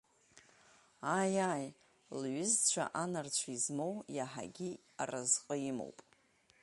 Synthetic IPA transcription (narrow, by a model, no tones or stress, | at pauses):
ajaj | lɥʏzt͡ʃʷʰa̰ʔanart͡ɕʷʰaizmo̞wjaħa̰ɡʲi | arazqʼəimo̰wpʼ